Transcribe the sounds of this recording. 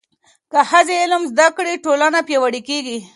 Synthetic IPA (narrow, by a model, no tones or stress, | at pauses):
kahazeɪlmzd̪akɽiʈolanapjawaɽikeɡi